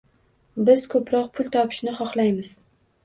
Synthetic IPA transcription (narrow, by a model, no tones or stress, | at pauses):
bɪz̥kʰɵpʰɾɒq̚pʰʊlˠt̪ʰɒpʰɪ̥ʃnɪχɒχlˠajmɪz̥